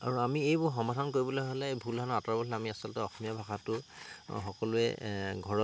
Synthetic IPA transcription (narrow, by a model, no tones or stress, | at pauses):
a̰ɹuamiejbʊɹxɔmadʱankoɹibɔlojɦolɛbʱuldʱanɔatɔɹabɔlɛamiasɔlɔtɛɔxɔmijabʱaxatʊxɔkɔlʊɛ̰ɡʱɔɹɔ